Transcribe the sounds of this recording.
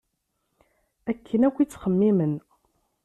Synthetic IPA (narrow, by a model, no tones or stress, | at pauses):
ækʰːənækʷːit͡sːχəmːimən